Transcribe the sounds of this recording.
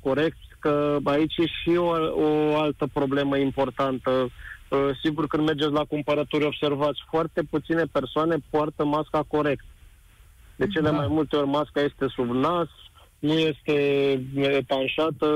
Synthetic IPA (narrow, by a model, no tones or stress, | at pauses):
ko̞ɾe̞k̚t̪sʲkəait͡ʃjeʃiooalt̪əpɾo̞ble̞məimpo̞rt̪ant̪ə | siɡurkɨnd̪me̞rd͡ʒe̞t̪sʲlakumpəɾət̪uɾʲo̞bse̞rvat̪sʲfoart̪e̞put̪sine̞pe̞rsoane̞poart̪əmaskako̞ɾe̞kt̪ | d̪e̞t͡ʃele̞majmult̪e̞o̞rʲmaskaje̞st̪e̞subnas | nuje̞st̪e̞ | et̪anʃat̪ə